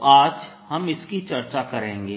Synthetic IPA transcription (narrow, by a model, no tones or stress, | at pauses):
aːd͡ʒ | hɐmɪskit͡ʃɐɾt͡ʃakɐɾẽːŋɡeː